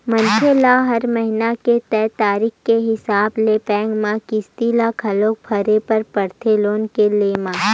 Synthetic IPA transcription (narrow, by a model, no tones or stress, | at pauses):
mɐnkʰelaɦɐɾmɐɦɪnaket̪ɛːt̪aːɾɪːxkeɦɪsaːblepɛ̃ːŋɡmãkɪst̪ilakʰɐlõːkpʰɐɾepɐɾpɐɾt̪ʰeloːnkeleːmãː